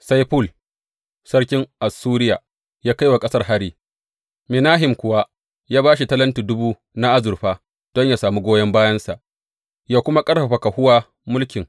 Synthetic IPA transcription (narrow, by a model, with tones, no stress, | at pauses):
sa˦jɸʊ˦˨l | sɐ˦ɽkʲɪ˦ŋʔa˨suː˦ɾɪ˦jaː˨ | jaː˦ka˦jwa˨kʼɐ˦sɐ˦rɦa˦ɾiː˦ | mɪ˨naː˦ɦɪ˨mkʷʊ˨wa˦ | jaː˦baː˦ʃi˨tɐ˦lɐ˦ntuː˨dʊ˦buː˦ | na˦ʔa˦zʊ˨rɸaː˦ | d̥ɔ˦ɲja˨saː˨mu˦ɡʷoː˦jɐ˦mbaː˦jɐ˦nsa˨ʔ | jaː˦kʷʊ˦ma˦kʼɐ˦ɽɸa˨ɸa˨ka˨hʊ˦waː˦ | mʊ˦lkʲɪ˨ŋ